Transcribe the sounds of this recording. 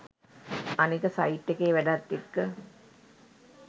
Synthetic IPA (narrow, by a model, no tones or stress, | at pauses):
anikəsaiʈːekeːʋæɖat̪ːekːə